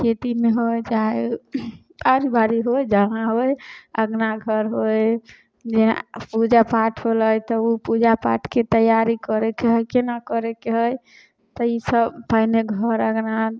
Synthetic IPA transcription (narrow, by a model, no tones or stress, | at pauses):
ket̪imeɦojd͡ʒae | aɾibaɾiɦojd͡ʒaɦãɦojəɡnaɡʱəɾɦoj | d͡ʒḛpud͡ʒapaʈʰɦoləjt̪ɔupud͡ʒapa̰ʈʰket̪əjaɾikəɾekeɦəjkenakəɾekeɦəj | t̪əisəbpaɪneɡʱəɾəɡna